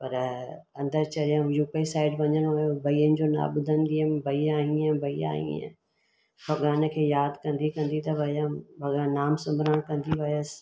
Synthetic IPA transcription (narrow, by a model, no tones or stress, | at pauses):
pɐɾ | ɐ̃nd̪əɾt͡ɕɐɽijãjuːpeisaːɪɖʋɐɲəɽ̃ojõbʱɐiːənɪ̆d͡ʑoːna̰ːbʊd̪ʱənd̪iəmbʱɐiaːɦĩãbʱɐia̰ːɦḭ̃ḛ̃ | bʱɐɠaːnəkʰeːjaːd̪kɐ̃nd̪ikɐ̃nd̪it̪ɐbʱɐjabʱɐɠanːaːmsʊmbɾãɽ̃kɐ̃nd̪iʋɐjəs